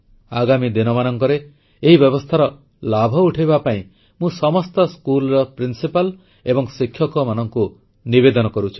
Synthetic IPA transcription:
aɡamid̪inɔmanɔŋkɔɾe | eɦibjɔβɔst̪ʰaɾɔ | labʱɔuʈʰibapaĩ | mũsɔmɔst̪ɔskulɔɾɔpɾinsipal | ebɔŋsikʰjɔkɔmanɔŋku | nibed̪ɔnɔkɔɾut͡ʃʰi̥

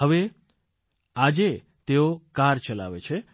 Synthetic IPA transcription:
ɦəʋe | ad͡ʒe | t̪eokaɾt͡ʃəla̰ʋḛt͡ʃʰe

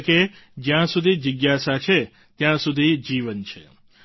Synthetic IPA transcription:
ked͡ʒjãsud̪ʱid͡ʒiɡjasat͡ʃʰe | t̪jãsud̪ʱid͡ʒiʋənt͡ʃʰe

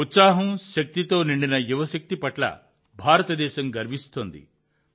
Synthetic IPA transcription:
ut̪saːɦɐmʃɐk̚t̪it̪oːniɳɖinɐjuʋɐsɐk̚t̪ipɐʈlɐ̰ | bʱaːɾɐt̪ɐd̪ɛːʃɐmɡɐɾmist̪oːnd̪ḭ

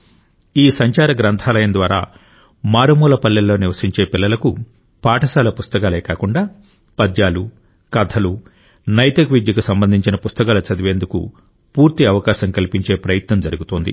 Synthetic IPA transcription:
iːsɐɲt͡ʃaːɾɐɡɾɐnt̪ʰaːlɐjɐnd̪ʋaːɾa̰ː | maːɾumuːlɐpɐlːɐlːo̞ːniʋɐsiɲt͡ʃe̞ːpilːɐlɐku | paːʈɐsaːlɐpust̪ɐkaːleːkaːkuɳɖaː | pɐd̪jaːlu | kɐd̪ʱʰɐlu | nɐjt̪ɐkʋid̪jɐkusɐmbɐnd̪ʱiɲt͡ʃinɐpust̪ɐkaːlɐt͡ʃɐd̪iʋe̞ːnd̪ukṵ | puːɾt̪iɐʋɐkaːʃɐŋkɐlipiɲt͡ʃe̞ːpɾɐjɐt̪nɐmd͡ʒɐɾuɡut̪oːnd̪ḭ

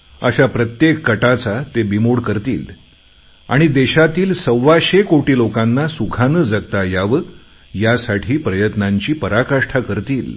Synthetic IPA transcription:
ə̰ɕapɾət̪jekːəʈat͡sat̪ebimoɽkəɾt̪iːl | a̰ɽ̃id̪eɕat̪iːlsəwːaɕekoʈiːlokãnːasukʰanəd͡zaɡ̚t̪ajaʋə | jasaʈʰiːpɾəjət̪naɲt͡ɕiːpəɾakaʂʈʰakəɾt̪iːl

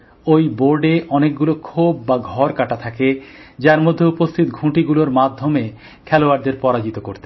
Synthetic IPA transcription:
ojboɾɖeʔɔnek̚ɡulokʰobːaɡʱɔɾkaʈat̪ʰaked͡ʑaɾmod̪ʱːeupost̪ʰit̪ɡʱũʈiɡuloɾmad̪ʱːome | kʰɛloaɾd̪eɾpɔɾad͡ʑit̪okoɾt̪e

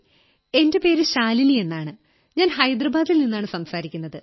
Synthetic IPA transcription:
e̞nde̞pe̞ːɾɨɕaːlinie̞nːaːɳɨ | ɲaːnɦɐjd̪rɐbaːd̪ilninːaːɳɨsɐmsaːɾikʲːunːɐðɨ

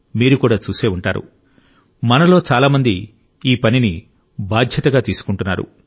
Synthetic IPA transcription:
miːɾukuːɽaːt͡ʃuːseːuɳʈaːɾṵ | mɐnɐlo̞ːt͡ʃaːlaːmɐnd̪i | iːpɐnini | baːd̪ʱjɐt̪ɐɡaːt̪iːsu̥kuɳʈunːa̰ːɾṵ

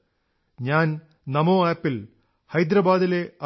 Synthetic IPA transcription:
ɲaːn | nɐmoːaːpːil | hɐjd̪ɾɐbaːd̪ile̞ɐ

